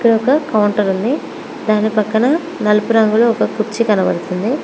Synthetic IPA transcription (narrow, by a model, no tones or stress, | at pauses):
ikːɐɽɐɔkɐkɐwuɳʈɐɾund̪i | d̪aːnipɐkːɐnɐ | nɐlupuɾɐŋɡuloːɔkɐkuɾt͡ʃikɐnɐʋɐ̰ɽut̪und̪i